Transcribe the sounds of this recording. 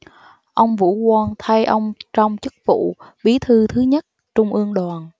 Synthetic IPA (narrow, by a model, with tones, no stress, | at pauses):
ʔə˧wŋ͡mvṵ˧˥kwaː˧nt̪ʰa˧jʔə˧wŋ͡mt͡ɕɔ˧wŋ͡mt͡ɕɨ˦˥k̚vṵ˧˨ɓi˨˦t̪ʰɨ˧t̪ʰɨ˨˦ɲə˦˥t̚ | t͡ɕʊ˧ŋ͡mʔɨ˧əŋɗwaː˨˩n